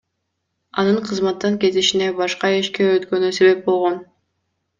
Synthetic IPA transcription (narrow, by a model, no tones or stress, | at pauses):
ɑ̰nɯɴqʰɯzmɑt̪ːɑŋkʲe̞t̪iʃine̞bɑʃqɑeʃkʲe̞øt̪kø̞nyse̞βe̞p̚bo̞lˠʁo̞n